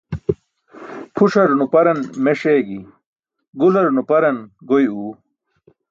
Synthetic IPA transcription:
pʰuʂɐɾnupɐɾɐnmeʂeːɡi | ɡulɐɾnupɐɾɐnɡojuː

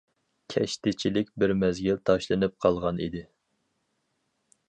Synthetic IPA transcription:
kʲʰɛʃt̪ɪt͡ʃʰilɪkʲbɪɾmɛzɡʲilt̪ʰɑʃlˠɨnɨp̚qʰɑlˠʁɑnḭd̪ɪ

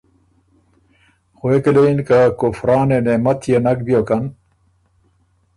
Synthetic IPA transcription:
xoekeleinkakofɾɑːnenemɐt̪ʰjenɐk̚bijokɐn

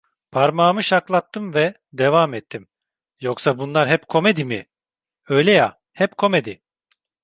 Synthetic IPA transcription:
pʰaɾmaːmɯʃaklˠat̪ːɯmvɛ | d̪evamɛt̪ʰːim | joksabunlˠaɾɦɛpkʰo̞med̪imɪ | ø̞jlʲɛja | hɛpkʰo̞med̪i

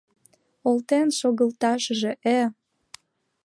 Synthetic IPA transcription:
olt̪enʃoɣəlt̪ɑʃəʒeʔe

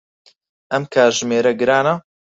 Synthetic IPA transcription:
ɐmkʰaːɾʒmeːɾɐɡɨɾaːnɐ

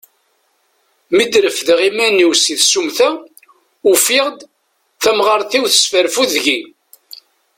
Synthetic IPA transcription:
məd̪ɾəfðʁimænːiwsiθsumθæ | ʊfɪʁd̪ | θæmʁəɾˤθiwθə̥sfəɾfuðʝi

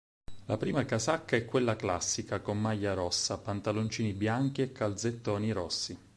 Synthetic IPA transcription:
lapɾiːmakazakːaɛkːwelːaklasːikakomːajːaɾɔsːapant̪alont͡ʃiːnibjaŋkiekʰːald̪zet̪ːɔːniɾɔsːi

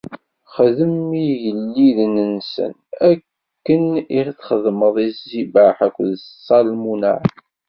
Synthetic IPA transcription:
χəðəmijəlːiðnənsə̰n | ækː | əniθχəðˤməðˤizːibaħækʷːðsːɑlmuna̰ʕ

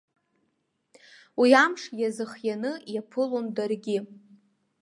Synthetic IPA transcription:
wiamʂjazɨχjanɨjapʰɨlondarɡʲɪ

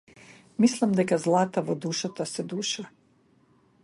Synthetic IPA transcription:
mislˠimd̪ekazlˠat̪aʋod̪uʃat̪asɛd̪uːʃa

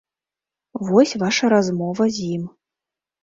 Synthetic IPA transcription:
vɔsʲvaʂɐɾazmɔvɐzʲim

